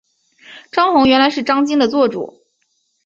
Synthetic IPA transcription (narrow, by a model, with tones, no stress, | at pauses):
ʈ͡ʂɑ˥ŋxʊ˧˥ŋɥɛ˧˥nla˧˥ɪʂɻ̩˥˩ʈ͡ʂɑ˥ŋt͡ɕi˥ŋd̪ə˨t͡swɔ˥˩ʈ͡ʂṵ˨˩˦